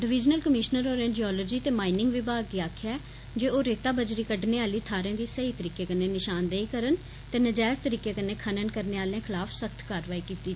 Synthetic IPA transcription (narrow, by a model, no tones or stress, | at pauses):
ɖɪʋɪd͡ʒnəlkəmɪʃnəɾoːɾɛ̃ːnd͡ʒiɔːloːd͡ʒiːt̪eːmaːinɪŋɡʋɪbaːɡkiːaːkʰjaː | d͡ʒeːoːɾeːt̪aːbəd͡ʒɾiːkəɖneːaːliːt̪ʰaːɾẽːd̪iːsəiːt̪əɾiːkeːkəneːnɪʃaːnd̪eiːkəɾən | t̪eːnəd͡ʒɛːst̪əɾiːkeːkəneːkʰənənkəɾneːaːlẽːkʰɪlaːfʰsəkʰt̪ʰkaːɾʋaːiːkiːt̪iː